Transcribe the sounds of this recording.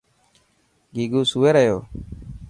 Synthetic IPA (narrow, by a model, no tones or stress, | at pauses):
ɡiːɡuːsuːʋeːɾəjo̰ː